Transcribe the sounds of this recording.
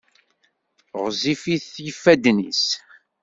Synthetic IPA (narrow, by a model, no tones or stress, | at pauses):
ʁzifiθjəfːæd̪nḭs